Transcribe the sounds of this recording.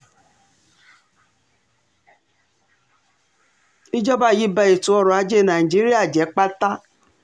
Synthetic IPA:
i˦d͡ʒɔ˦ba˦˨ji˦ba˧e˨tu˨˦ɔ˧ɾɔ˨a˨˧˦d͡ʒe˦˨na˨i˨d͡ʒi˦ɾi˦a˦˨d͡ʒɛ˨˦k͡pa˦ta˦

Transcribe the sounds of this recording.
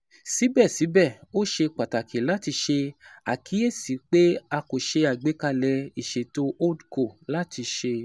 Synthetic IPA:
si˨˦bɛ˦˨si˨˦bɛ˦˨o˦˨ʃe˧k͡pa˨ta˨kʰe˨la˦ti˧ʃe˧a˨kʰi˨˦e˦˨si˨˦k͡pe˦a˧ko˨ʃe˧a˨ɡ͡be˨˦ka˧lɛ˧i˨ʃe˨to˦ʔo˦dko˨la˦ti˧ʃe˧

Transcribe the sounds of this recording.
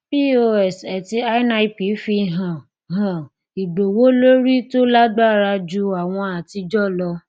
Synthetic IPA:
bi˦o˧˦ɛ˨sɛ˨ti˧a˦na˧i˦pi˨˦fi˧ɦã˨ | ɦã˨ | i˨ɡ͡bo˨wo˦lo˦ɾi˦to˦la˦ɡ͡ba˦˨ɾa˧d͡ʒu˧˦a˨w̃ɔ̃˧a˨ti˧d͡ʒɔ˦˨lɔ˧

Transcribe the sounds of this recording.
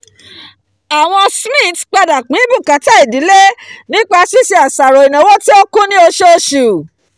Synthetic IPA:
a˨w̃ɔ̃˧smĩ˦˨tk͡pa˧da˨k͡pĩ˨˦bũ˦˨kã˨˦ta˦i˨di˨˦le˦nĩ˦k͡pa˧˦si˦si˧a˨sa˨ɾɔ˨i˨nã˨wo˦ti˦o˦kũ˦nĩ˦o˧ʃe˦o˧ʃu˨

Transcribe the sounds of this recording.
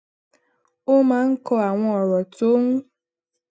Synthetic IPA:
o˦mãː˨˦ŋ̩˦kɔ˧a˨w̃ɔ̃˧ɔ˨ɾɔ˨to˦ŋũ˦

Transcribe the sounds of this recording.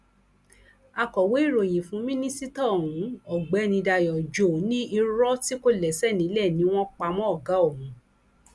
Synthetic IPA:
a˧kɔ˨we˨˦i˦˨ɾo˨j̃ĩ˨fũ˨˦mĩ˦nĩ˦si˦ta˦˨hũ˨˦ɔ˨ɡ͡bɛ˨˦nĩ˧da˧jɔ˨d͡ʒo˨nĩ˦i˧ɾɔ˦ti˦ko˦lɛ˨sɛ˦˨nĩ˨˦lɛ˦˨nĩ˧˦w̃ɔ̃˦k͡pa˧mɔ̃˦ɔ˦˨ɡa˨˦o˦˨ɦũ˨˦

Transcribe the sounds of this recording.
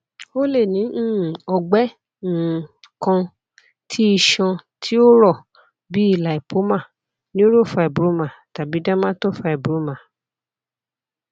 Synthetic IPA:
o˦le˦˨nĩ˨˦˨ɔ˧ɡ͡bɛ˦˨ | kã˧ | tʰi˦i˧ʃɔ̃˧tʰi˦o˦ɾɔ˦˨ | bi˦i˦˨la˨i˨pʰo˨˦mã˦˨ | nĩ˦o˦ɾo˦˨fa˨˧ɛ˨bɾu˨˦mã˨ta˨bi˨˦dã˦mã˦to˦˨fa˧e˨bɾu˨˦mã˨

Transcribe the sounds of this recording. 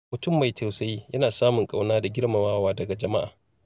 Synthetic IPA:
mʊ˨tʊ˦˨mːa˨jtʰa˨wsa˦jjɐ˦naː˨saː˦mʊ˨ŋkʼa˦wnaː˦da˨ɡʲɪ˦ɽma˨waː˦waː˦dɐ˨ɡa˨d͡ʒɐ˨ma˦ʔa̰ː˨

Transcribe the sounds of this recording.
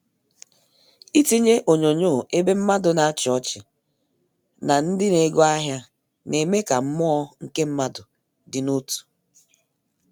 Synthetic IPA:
i˦ti˦ɲe˦ʔo˨ɲo˨ɲo˦˨e˦be˦m̩˦ma˦dʊ˨na˨a˦t͡ʃɔ˦t͡ʃɪ˨ | na˨n̩˦dɪ˦ne˨˦ɡɔ˦a˦ɦja˦ | ne˨me˦ka˨m̩˦mʊ˦ɔ˦ŋ̩˨ke˦m̩˦ma˦dʊ˨ | dɪ˨nu˦tu̥˨

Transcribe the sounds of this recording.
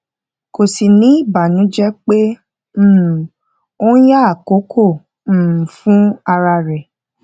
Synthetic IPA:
ko˨si˨nĩ˨˦i˦˨ba˨nũ˨˦d͡ʒɛ˦k͡pe˦ | m̩ː˦˨ | o˦n̩˦ja˦a˨ko˨˦kʰõ˦˨˦ | fũ˦a˧ɾa˧ɾɛ˨

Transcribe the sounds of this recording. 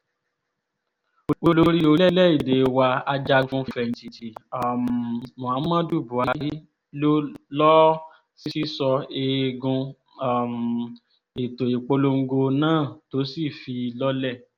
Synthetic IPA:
o˨o˧lo˧ɾi˦o˧lɛ˦lɛ˦˨i˦˨de˨wa˧a˧d͡ʒa˧ɡũ˧˦˨fɛ˧˨n̩˨ti˨ti˨a˨m˨mɔ̃˨ã˨˦mã˦du˦˨bu˨˦a˧˨˧i˦ | lo˦lɔ˦ | si˦si˦sɔ˧e˧je˧ɡũ˧ | a˨m̩˨ | e˨to˨i˨k͡po˧lo˧ŋ̩˦˧ɡo˧nãː˦˨to˨˦si˦˨fi˧lɔ˦lɛ˦˨

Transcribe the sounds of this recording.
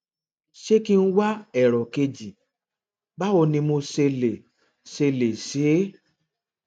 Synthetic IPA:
ʃe˦ki˦˧n̩˦wa˦ɛ˨ɾɔ˨ke˧d͡ʒi˨ | ba˦o˧nĩ˧mo˧se˧le˨ | se˧le˨se˨˦

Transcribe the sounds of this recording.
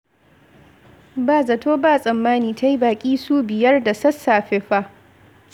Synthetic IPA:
baː˦˨zɐ˨toː˦baː˦˨sʼɐ˨mːaː˦niː˨ta˦ji˦baː˨kʲʼiː˦suː˦bɪ˨jɐ˦rda˨sɐ˦sːaː˨ɸɪ˦ɸaː˦

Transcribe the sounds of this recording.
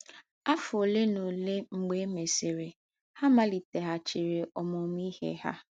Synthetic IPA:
a˦fʊ˨o˨le˦no˨le˦ŋ͡m̩˨ɡ͡be˦me˨se˨ɾe˨ | ha˦ma˨li˨te˨ɦa˨t͡ʃi˨ɾe˨ʔɔ˨mɔ˨m˦i˦hḛ˦ha̰˦

